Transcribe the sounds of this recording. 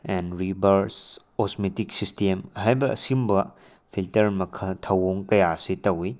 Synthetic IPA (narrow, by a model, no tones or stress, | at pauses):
ɛnɾibʱɐɾskosmetik̚sistemɦajbɐʔɐ̰simbɐ | pʰiltɐɾmɐkʰɐtʰɐwoŋkɐjasitɐwi